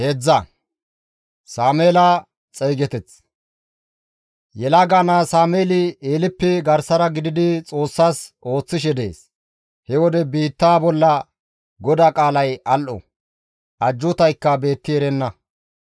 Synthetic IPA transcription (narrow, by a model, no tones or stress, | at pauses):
hed͡zːɐ | saːmeːla | t͡sʼejɡɛt̪ɛt͡s | jɛlaɡaːnaːsaːmeːlɪeːlɪpːɛɡɐɾsɐɾɐɡɪd̪ɪd̪ɪt͡sʼo̞ːsːaːsʔo̞ːt͡sːɪʃ̬ɛd̪e̞̰ːs | hɛwɔd̪ɛbiːt̪ːaːbɔlːɐ | ɡɔd̪akʼaːlɐjɐlʔɔ̰ | ʔɐd͡ʒːʊt̪ɐjkːɐbe̞ːt̪ːɪɛɾɛnːɐ